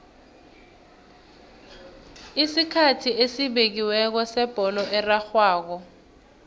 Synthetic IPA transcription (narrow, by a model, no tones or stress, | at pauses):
isikʰatʰiʔesiɓek̬iwɛk̬ɔsɛb̥ʱɔlɔʔɛraxwaːk̬ɔ